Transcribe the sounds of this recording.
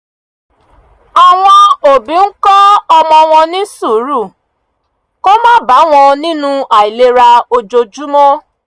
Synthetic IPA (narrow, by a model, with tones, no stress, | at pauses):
ɔ˧w̃ɔ̃˧o˨bĩ˨˦ŋ̩˦kɔ˦ɔ˧mɔ̃˧w̃ɔ̃˧nĩ˦su˦˨˦ɾu˦˨ | ko˦mã˦˨ba˨˦w̃ɔ̃˧nĩ˦nũ˦a˨i˨le˦˧ɾa˧o˧d͡ʒo˧d͡ʒu˦mɔ̃˦